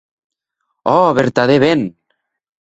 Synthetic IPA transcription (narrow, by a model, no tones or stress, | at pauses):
ɔβeɾt̪aðeβen